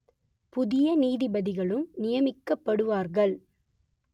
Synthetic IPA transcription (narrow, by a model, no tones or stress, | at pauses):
pʊðɪjɐniːðɪbɐðɪɣɐɭɯmnɪjɐmɪkːɐpːɐɽɯʋaːɾɣɐɭ